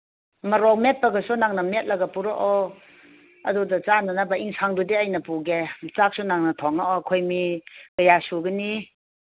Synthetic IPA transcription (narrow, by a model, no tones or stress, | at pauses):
mɐɾɔmet̚pɐɡɐsunaŋnɐmet̚lɐɡapuɾɔʔɔ | ɐ̰dudɐt͡ʃananabaiŋsʰaŋdudeajnɐpuɡet͡ʃak̚sunaŋnɐtʰɔŋaʔɔkʰojmiɡɐjasuɡɯni